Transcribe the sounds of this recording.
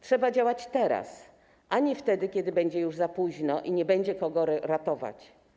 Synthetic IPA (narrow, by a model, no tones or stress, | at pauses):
tʂɛbad͡ʑawat͡ɕt̪ɛɾa̰s | ʔaɲift̪ɛd̪ɘkʲɛd̪ɘbɛɲd͡ʑɛjuʐzapuʑnɔʔiɲɛbɛɲd͡ʑɛkɔɡɔɾat̪ɔva̰t͡ɕ